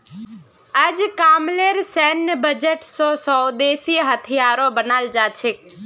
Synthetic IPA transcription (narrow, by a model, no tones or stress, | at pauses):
əd͡ʒkaːmleɾsɛnbəd͡ʒəʈsosɔːd̪eːsiɦət̪ʰijaːɾobənald͡ʒaːt͡ʃʰe